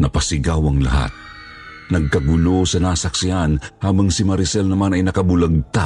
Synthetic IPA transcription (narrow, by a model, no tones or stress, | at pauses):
nɐpɐsɪɡawɐŋlɐ̰ha̰t̪̚ | nɐɡ̚kɐɡʊlo̞sɐnaːsɐk̚sɪhanhaːbɐŋsɪmɐɾɪsɛlnɐmanɐjnɐkɐbʊlɐɡ̚t̪a